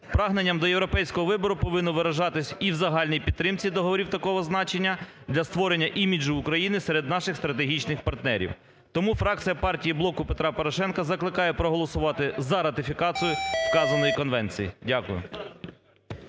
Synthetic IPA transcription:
pɾɑɦnenʲːɐmd̪ɔjewɾɔpɛjsʲkɔɦɔʋɪbɔɾʊpɔʋɪnːɔʋɪɾɐʒɑt̪ɪsʲiwzɐɦɑlʲnijpʲid̪̚t̪ɾɪmt͡sʲid̪ɔɦɔʋɔɾʲiwt̪ɐkɔɦɔznɑt͡ʃenʲːɐ | d̪lʲɐst̪ʋɔɾenʲːɐʔimʲid͡ʒʊːkɾɐjinɪseɾed̪̚nɑʃɪxst̪ɾɐt̪̬eɦʲit͡ʃnɪxpɐrt̪nɛɾʲḭw | t̪ɔmufɾɑk̚t͡sʲijɐpɑrtʲijiblˠɔkʊpet̪ɾɑpɔɾɔʃɛnkɐzɐklˠɪkɑjɛpɾɔɦɔlˠɔsʊʋɑt̪ɪzɐɾɐt̪ɪfʲikɑt͡s̪ʲijʊskɑzɐnɔjikɔnʋɛnt͡sʲḭjḭdʲakʊjʊ̰

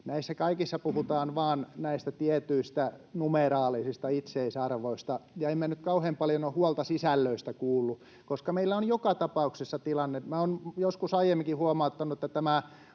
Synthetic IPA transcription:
næisːækɑikisːɑpuhut̪ɑːnʋɑːnnæist̪æt̪iɛt̪yist̪ænumeɾɑːlisist̪ɑit̪seisɑrʋoist̪ɑjɑemmænyt̪kɑuheːmpɑljonohhuɑlt̪ɑsisælːøist̪ækuːlːu | koskɑmeilːæonjokɑt̪ɑpɑuksesːɑt̪ilɑnːemæonjoskusɑijemːikihuɑmɑut̪ːɑnuet̪ːæt̪æmæ

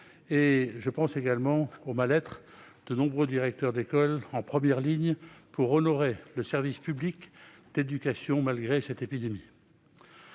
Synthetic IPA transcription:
eʒəpɑ̃seɡalmɑ̃omalɛt̪χ | d̪̥ənɔ̃bʁød̪iʁɛk̚t̪œʁd̪ekɔlɑ̃pχəmjɛʁliɲpuʁɔnɔʁeləsɛʁvispyblik | d̪̥ed̪ykasjɔ̃malɡʁesɛt̪epid̪emi

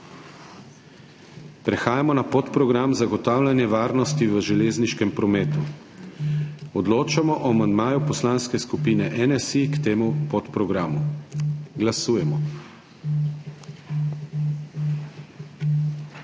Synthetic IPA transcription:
pɾɛxaːjamɔnapot̪pɾɔɡɾamzaɡɔt̪aːwlʲanjɛʋaːɾnɔst̪iʋəʒɛleːzniʃkɛmpɾɔmɛːt̪u | ɔd̪loːt͡ʃamɔʔɔamand̪maːjupɔslaːnskɛskupiːnɛʔɛnɛsikt̪eːmupɔt̪pɾɔɡɾaːmu | ɡlasuːjɛmɔ

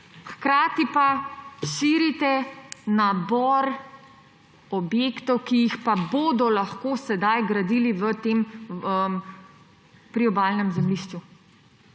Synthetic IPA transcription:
xkɾaːt̪ipaʃiːɾit̪ɛnabɔɾ | ɔbjeːkt̪ɔwkijixpaboːd̪ɔlaxkoːsɛd̪ajɡɾad̪iːliʋət̪eːməm | pɾiɔbaːlnɛmzɛmliʃt͡ʃu

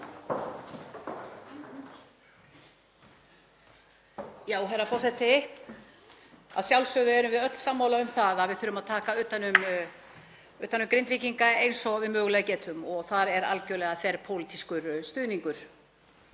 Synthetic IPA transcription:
jaːwɦɛɾafɔr̥sɛt̪ɪ | a̰ðsjawlsœðʏɛɾʏmvɪðœt̪l̥samːaːwlaʏmθaðaðvɪðθʏɾːʏmaðt̪ʰaːkaʏːt̪anʏm | ʏːt̪anʏmkɾent̪viːciŋkaejnsɔɣvɪðmœːɣʏlɛːɣcɛːt̪ʏmɔɣθaɾɛɾa̰lcœːlɛɣaθɛɾpʰowlit̪iskʏɾst̪ʏːðniŋkʏɾ̥

